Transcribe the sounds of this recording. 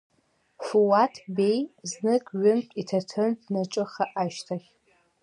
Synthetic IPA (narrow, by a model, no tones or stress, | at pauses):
fuwatʰbejznɨkʼɥʊmtʼitʰatʰɨntnaʈ͡ʂʼɨχaʔaʃtʰaχʲ